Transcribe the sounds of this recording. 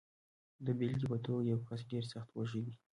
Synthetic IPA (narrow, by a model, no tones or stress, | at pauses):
d̪əbelɡʲipat̪ojawkas̬ɡeɾsaχt̪waʒid̪i